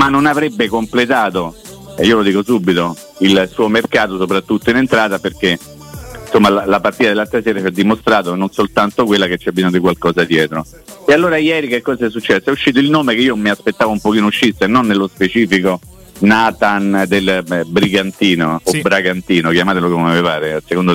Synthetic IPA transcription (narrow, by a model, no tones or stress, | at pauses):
manːonavɾebːekomplet̪aːt̪o | eiːolod̪iːkosuːbːit̪o | ilsuːomerkaːt̪osopɾat̪ːut̪ːoinent̪ɾaːt̪aperke | nsomːalalapart̪iːt̪ad̪elːat̪ːɾesɛːɾat͡ʃiad̪ːimost̪ɾaːt̪ononsolt̪ant̪okwelːaket͡ʃːɛbːizɔɲad̪ikwalkɔːzad̪jɛːt̪ɾo | ealːoːɾajɛːɾikekːɔːzaɛsːut͡ʃːɛd̪esːoɛuʃːiːt̪̬oilnoːmekeiːomiaspet̪ːaːvoumpok̟iːnouʃːisenːonːelːospet͡ʃiːfiko | naːt̪and̪elbɾiɡant̪iːnoːbːɾaɡant̪iːnokjamaːt̪̬elokomeavevaːɾesekond̪o